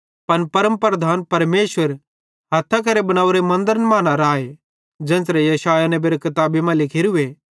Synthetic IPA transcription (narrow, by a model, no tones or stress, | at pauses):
pɐnpɐɾəmpɾəd̪ʱaːnpɐɾmeːswəɾ | ɦɐt̪ʰːak̬ɐɾebɐñaːuɾemɐ̃nd̪əɾənmãːnaɾaːe | d͡ʒɛ̃ːnsɾɛjɐsaːjanɛ̃beːɾekɐt̪aːbimãlɪkʰeɾue